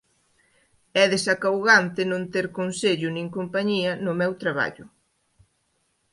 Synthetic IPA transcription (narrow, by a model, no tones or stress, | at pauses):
ɛðesakawɣant̪ɪnõnt̪eɾkonseʎʊnĩŋkompaɲiɐnʊmɛwt̪ɾaβ̞a̰ʎʊ